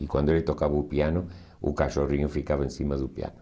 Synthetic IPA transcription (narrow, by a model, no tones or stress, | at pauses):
ikwãnd̪oelet̪okaβɐupianʊ | ṵkaʃoriɲʊfikaβaẽnsimaðupja̰nʊ̥